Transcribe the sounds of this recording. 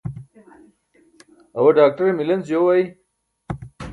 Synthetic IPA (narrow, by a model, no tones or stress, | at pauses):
ɐwɐɖaːk̚ʈɐɾemilɐnzjowaːi